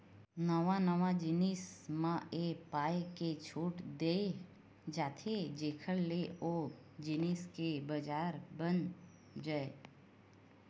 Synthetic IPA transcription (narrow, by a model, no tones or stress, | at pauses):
nəʋanəʋad͡ʒɪnɪsmãʔepaːjket͡ʃʰuːʈd̪eː | d͡ʒaːt̪ʰed͡ʒeːkʰəɽleʔoː | d͡ʒɪnɪskebəd͡ʒaːɾbən | d͡ʒaːe